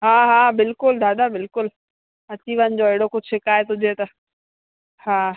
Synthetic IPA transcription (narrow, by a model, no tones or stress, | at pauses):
ɦãːɦãːbɪlkʊld̪aːd̪abɪlkʊl | ɐt͡ʃiʋənd͡ʒɔːɪɽõkot͡ʃʰɪkaːet̪od͡ʒet̪a | hãː